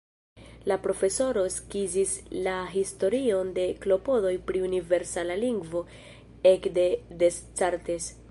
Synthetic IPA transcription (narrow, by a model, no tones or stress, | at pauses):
lapɾo̞fe̞so̞ɾo̞skizislaɦisto̞ɾio̞nde̞klo̞po̞do̞jpɾiunive̞ɾsalaliŋɡvo̞ | ekde̞de̞st͡saɾtes